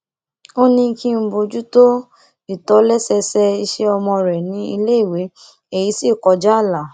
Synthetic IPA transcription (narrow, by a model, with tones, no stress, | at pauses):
o˦nĩ˧ki˦m̩˦bo˧d͡ʒu˦to˦ | i˦˨tɔ˨˦lɛ˦sɛ˧sɛ˧i˧ʃe˦ɔ˧mɔ̃˧ɾɛ˨nĩ˨˦i˧le˦i˦˨we˨˦ | e˨ji˨˧˦si˦˨kɔ˨˧d͡ʒa˦˨la˨